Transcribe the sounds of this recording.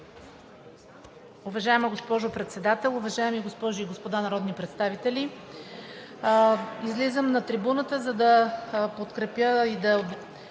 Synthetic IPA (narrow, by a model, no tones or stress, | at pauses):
uvɐʒaɛməɡospɔʒopɾɛt̪sɛd̪at̪ɛlˠʊvɐʒaɛmiɡospɔʒʊiɡospod̪anɐɾɔd̪nipɾɛt̪st̪avit̪ɛli | izlizəmnɐt̪ɾibunət̪əzɐd̪ɐpot̪kɾɛpjəid̪ɐ